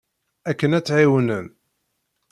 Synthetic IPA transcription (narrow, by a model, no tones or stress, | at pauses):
ækːənæt͡sːʕiwənən